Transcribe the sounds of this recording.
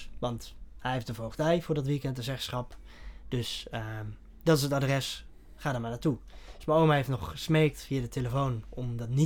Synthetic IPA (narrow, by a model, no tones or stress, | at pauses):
ʋɑnthɛjɦeftdəvowχtɛjvʊːɹdɔtʋikɛntəzɛχsχɑp | d̥øs | d̥ɔtɪsətadrɛs | χaːdəɹmanatu̥smaowmaheftnɔχəsmeːk̚tfiadətʰeləfownɔmdɔtni